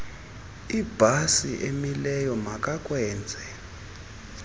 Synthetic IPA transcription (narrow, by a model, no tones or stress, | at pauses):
ib̥ʱasiʔemilɛjɔmak̬ʼakʼwɛːnd͡zʱɛ